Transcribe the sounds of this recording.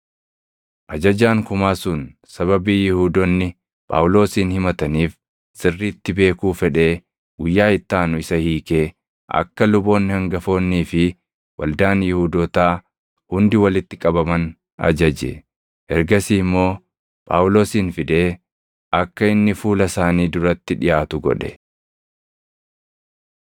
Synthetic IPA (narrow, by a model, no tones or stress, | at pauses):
ʔɐd͡ʒɐd͡ʒaːŋkʊmaːsʊn | sɐβɐbiːjɪhuːd̪ɔnːɪ | pʼa̰ːwlo̞ːsiːnhɪmɐt̪ɐniːf | sɪrːiːt̪ːɪbe̞ːkuːfɛᶑe̞ː | ɡʊjːaːɪt̪ːaːnʊɪsɐhiːke̞ː | ʔɐ̰kːɐlʊbo̞ːnːɪhɐŋɡɐfo̞ːnːiːfɪ | wʔɐ̰ld̪aːnjɪhuːd̪ɔt̪aː | hʊnd̪ɪwɐlɪt̪ːɪkʼɐbɐmɐn | ɐ̰d͡ʒɐd͡ʒɛ̰ | ʔɛɾɡɐsiːmːo̞ː | pʼa̰ːwʊlo̞ːsiːnfɪd̪e̞ː | ʔɐkːɐɪnːɪfuːlɐsaːniːd̪ʊɾɐt̪ːɪᶑɪjaːt̪ʊɡɔ̰ᶑɛ̥